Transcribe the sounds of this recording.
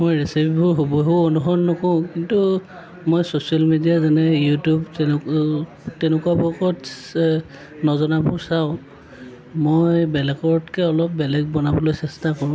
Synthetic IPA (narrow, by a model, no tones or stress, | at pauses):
mojɹesipʰibʱɔɹɦobɔɦuonuɦɔnːɔkɔʊ̃kintu | mojsosiɔlmidijazɛnɛjutub | tɛnʊkuwabɔkɔts | nɔzɔnabʱʊsaʊ̃ | mojbɛlɛkɔɹɔtkɛɔlɔp̚bɛlɛɡ̚bɔnabɔlojsɛstakɔɹʊ̃